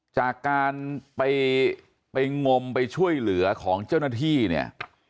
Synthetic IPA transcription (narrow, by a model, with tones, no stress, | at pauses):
t͡ɕaː˨˩kːaː˧npa˧j | pa˧jŋo˧mpa˧jt͡ɕʰu˥˩əjlɯ˩˦ɐkʰɔː˩˦ŋt͡ɕa˥˩wnaː˥˩t̪ʰiː˥˩nḭ˥˩ɐ